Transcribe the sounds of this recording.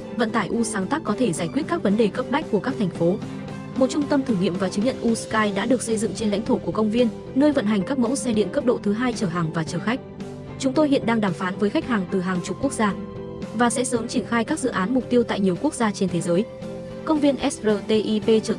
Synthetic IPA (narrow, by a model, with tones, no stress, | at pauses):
və̰˧˨nt̪aː˧˩jʔu˧saː˨˦ŋt̪aː˦˥k̚ːɔ˨˦t̪ʰe˧˩zaː˧˩jkwət̚kaː˦˥k̚və˨˦nɗe˨˩kə˦˥p̚ɗa˦˥jk̟̚ku˧˩əkaː˦˥k̚t̪ʰŋ̟fo˨˦ | mo˨˩t̚t͡ɕʊ˧ŋ͡mt̪ə˧mt̪ʰɨː˧˩ŋḭ˧˨əmvaː˨˩t͡ɕɨ˨˦ŋɲə̰˧˨nʔu˧skaː˧jɗa̰ː˧˥ɗɨ˨˩ək̚sə˧jzɨ̰˧˨ŋt͡ɕe˧nla̰˧˥ŋ̟t̪ʰo˧˩ku˧˩əkə˧wŋ͡mvi˧ən | nəː˧jvə̰˧˨nɦa˨˩jŋ̟kaː˦˥k̚mə̰˧˥wsɛ˧ɗḭ˧˨ənkə˦˥p̚ɗo̰˧˨t̪ʰɨ˨˦ɦaː˧jt͡ɕəː˧˩ɦaː˨˩ŋvaː˨˩t͡ɕəː˧˩xa˦˥k̟̚ | t͡ɕʊ˨˦ŋ͡mt̪o˧jhɦḭ˧˨ənɗaː˧ŋɗaː˧˩mfaː˨˦nvəː˨˦jxa˦˥jk̚haː˨˩ŋt̪ɨ˨˩ɦaː˨˩ŋt͡ɕʊ˨˩k͡p̚ku˦˥ək̚zaː˧ | vaː˨˩sɛ̰˧˥səː˨˦mt͡ɕi˧˩ənxaː˧jkaː˦˥k̚zɨ̰˧˨ʔaː˨˦nmʊ˨˩k͡p̚t̪i˧əwt̪a̰ː˧˨jɲi˨˩əwku˦˥ək̚zaː˧t͡ɕe˧nt̪ʰe˨˦zəː˨˦j | kə˧wŋ͡mvi˧ənʔɛ˦˥szəː˨˩t̪e˧ʔi˧pe˧t͡ɕəː˧˩